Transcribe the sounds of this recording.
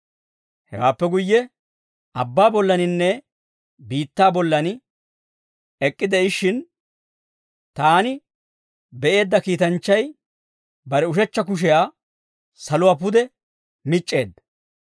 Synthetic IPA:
hɛ̰wa̰ːpːɛɡʊjːɛ | ʔɐbːaːbɔlːɐnɪnːɛ | biːt̪ːaːbɔlːɐnɪ | ɛkʼːɪd̪ɛɪʃɪn | t̪aːnɪ | bɛʔe̞ːd̪ːɐkiːt̪ɐnt͡ʃːɐj | bɐɾɛʊʃɛt͡ʃːɐk̬ʊʃ̬ɛjaː | sɐlʊwaːp̬ʊd̪ɛ | mɪt͡ʃʼːe̞ːd̪ːɐ̥

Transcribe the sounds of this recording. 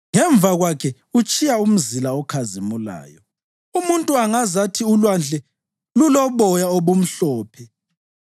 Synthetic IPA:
ŋɛɱb̪vʱaɣwakʰɛ | ut͡ʃʼijaum̩zilaɔkʰazimula̰ːjɔ | umuntʼuaŋazatʰiulwand͡ɮʱɛ | lulɔβɔjaoβum̩ɬɔːpʰɛ

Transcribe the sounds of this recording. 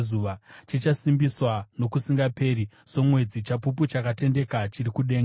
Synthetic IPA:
zuːʋat͡ʃit͡ʃasimbiswano̞kusiŋɡape̞ɾi | so̞mwe̞d͡zit͡ʃapup̬ut͡ʃakate̞nde̞kat͡ʃirikuɗe̞ːŋɡ

